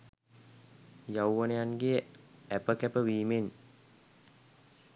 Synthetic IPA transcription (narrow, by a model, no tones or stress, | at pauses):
jawːənejanɡejəæpəkæpəʋiːmen